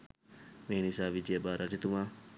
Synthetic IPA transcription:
meːnisaːʋid͡ʒijɐbaːɾad͡ʒit̪umaː

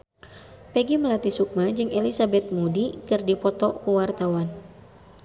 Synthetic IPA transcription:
pɛɡiməlat̪isuk̚mad͡ʒɨŋʔelisabɛt̪̚mudikɨrdipɔt̪ɔkuwart̪awan

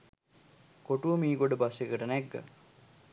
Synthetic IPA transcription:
koʈuʋəmiːɡoɖəbɐsʋekəʈənæɡːə̰

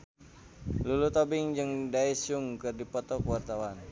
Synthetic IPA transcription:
lulut̪obiŋd͡ʒɨŋdaisuŋkɨrdipɔt̪ɔkəwart̪awan

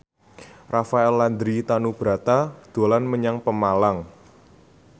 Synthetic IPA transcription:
rafaɛlːand̪ɾit̪anub̥ɾat̪ad̪̥o̤lanməɲaŋpəmalaŋ

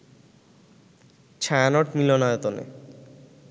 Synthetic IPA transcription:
t͡ɕʰaanoʈmilonɔjot̪onḛ

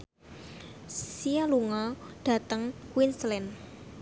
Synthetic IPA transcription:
sialuŋɔɖ̥ä̤t̪əŋkwinslɛn

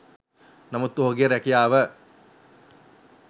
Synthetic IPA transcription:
namut̪ːoɦoɡeəɾækijaːʋə

